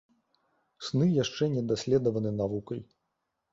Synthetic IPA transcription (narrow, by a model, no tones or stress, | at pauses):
snɨjaʂt͡ʂɛnʲɛd̪asʲlʲɛd̪ɐvɐnɨnavukɐj